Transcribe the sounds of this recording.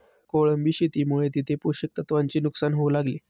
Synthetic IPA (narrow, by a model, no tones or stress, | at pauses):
koɭəmbiɕit̪imuɭet̪it̪ʰepuɾɕək̚t̪ət̪ʋaɲt͡ɕiːnuksanɦoulaɡliː